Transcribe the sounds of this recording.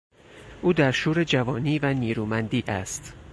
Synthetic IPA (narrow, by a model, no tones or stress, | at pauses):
ʔuːd̪æɾʃuːɾed͡ʒævɒːniːvæniːɾuːmænd̪iːʔæ̰st̪